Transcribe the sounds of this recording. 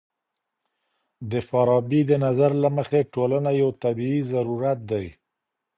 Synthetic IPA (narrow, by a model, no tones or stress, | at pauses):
d̪əfaɾɑbid̪ənazaɾlaməxeʈolanajawt̪abiizaɾuɾat̪̚d̪aj